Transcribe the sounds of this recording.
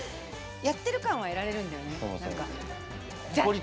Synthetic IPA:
jat̪ːe̞ɾɯ̟kãɰ̃β̞ae̞ɾaɾe̞ɾɯ̟̃nd̪ajo̞neo̰mo̰sna̰ŋka | aoɾʲi

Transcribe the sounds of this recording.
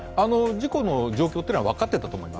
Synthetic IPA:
ano̞d͡ʑiko̞no̞d͡ʑo̞ːkʲot̪ːeːnaβakat̪ːe̞t̪at̪omo̞ima

